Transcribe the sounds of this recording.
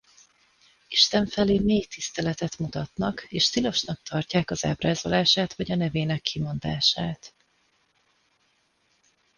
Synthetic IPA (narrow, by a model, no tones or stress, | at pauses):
iʃt̪ɛɱfɛleːmeːjt̪ist̪ɛlɛt̪ɛt̪mut̪ɒt̪nɒkeːʃt̪ilo̞ʃnɒk̚t̪ʰɒrcaːkɒza̰ːbraːzo̞laːʃaːt̪ʋvɒɟɒnɛveːnɛkːimo̞nd̪aːʃaːt̪